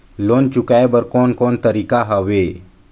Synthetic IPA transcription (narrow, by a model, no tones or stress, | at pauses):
loːnt͡ʃʊkaebəɾkɔːnkɔːnt̪əɾiːkaɦaʋeː